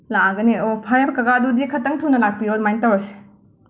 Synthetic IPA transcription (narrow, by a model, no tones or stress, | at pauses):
laɡɐniopʰaɾebɐkɐɡadudikʰɐtːɐŋtʰuwnɐlak̚piɾodmajntɐwase̥